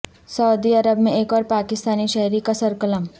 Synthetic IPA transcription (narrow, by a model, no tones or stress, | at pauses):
sɐʊd̪iɐɾəbmẽeːkɔːɾpaːkɪst̪aːniʃɐɦɾikasɐɾkələm